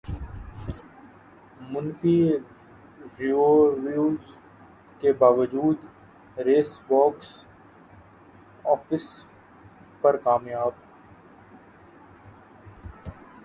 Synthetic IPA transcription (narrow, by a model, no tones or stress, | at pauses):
mʊnfi | ɾioʋjuːz | kebaːʋəd͡ʒuːd̪ | ɾeːsbɔːks | ɔːfɪs | pɐɾkaːmjaːb